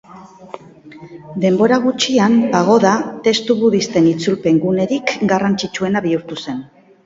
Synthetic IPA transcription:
d̪e̞mbo̞ɾaɣ̞ut͡ʃiambaɣ̞o̞ðat̪e̞st̪uβuðist̪e̞nit͡sulpe̞ŋɡune̞ɾikɡarant͡sit͡ʃue̞naβiuɾt̪use̞n

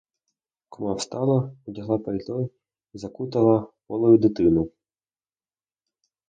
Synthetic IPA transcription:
kɔmɑwst̪ɑlˠɐɔdʲɐɦlˠɑpɐlʲt̪ɔj | izɐkut̪ɐlˠɐpɔlˠɔjʊd̪ɪt̪ɪnʊ

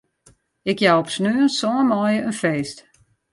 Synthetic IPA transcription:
ɪkjawɔpsnøːənsɔːəmɔjəənfeːst

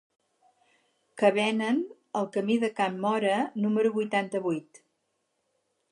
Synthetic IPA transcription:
kəβɛnən | əlˠkəmiðəkamːɔɾənuməɾuβujt̪ant̪əβujt̪

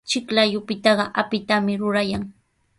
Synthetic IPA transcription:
t͡ʃɪklajʊpɪt̪ɑɢɑʔapɪt̪amɪɾʊɾajaŋ

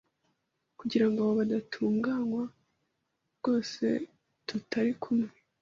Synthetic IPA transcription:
kuɟiɾaŋɡoaβoβadatʰuːŋɡaːŋwa | ɾɡ̥o̞ːse̞̰ | tutʰaɾikʰumŋe

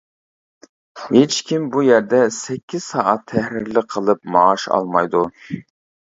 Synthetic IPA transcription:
het͡ʃkʲʰimbujɛɾd̪ɛsɛkʲːiz̥sɑːʔɑt̪ʰːɛhɾɪɾlɪqʰəlˠɨpmɑːʃɑ̰lˠmɑjd̪u

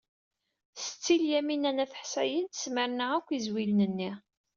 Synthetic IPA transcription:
sə̥t͡sːiljæminænæθə̥ħsæjənt̪ə̥sməɾnəʁækʷːizwilnənːiʁ

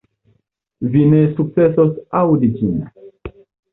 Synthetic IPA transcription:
vinesuk̚t͡sesosawdid͡ʒin

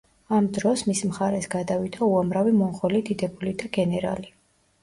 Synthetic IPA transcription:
amd̪ɾɔsmismχaɾɛsɡad̪avit̪ʰauamɾavimɔɴʁɔlid̪id̪ɛbulid̪aɡɛnɛɾa̰li

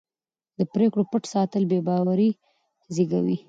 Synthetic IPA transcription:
d̪əpɾekɽopəʈsɑt̪əlbebɑwaɾi | ziɡa̰wḭ

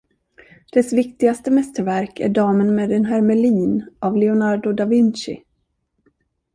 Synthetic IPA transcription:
d̪̥ɛsvɪkt̪ɪɡast̪əmɛst̪əɾvæɾkʰæ̰ɖɑːmənmɛd̪ɛnɦæɾmɛliːnʔavlɛʊnaɾɖʊd̪avɪnɕɪ̰

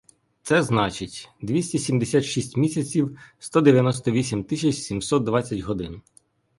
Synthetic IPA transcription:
t̪sɛznɑt͡ʃɪtʲd̪ʋʲisʲtʲisʲimd̪esʲat̪ʃisʲtʲmʲisʲɐt͡sʲiwst̪ɔd̪eʋʲjɐnɔst̪ɔʋʲisʲimt̪ɪsʲɐt͡ʃsʲimsɔt̪̚d̪ʋɑt͡sʲːɐtʲɦɔd̪ɪn

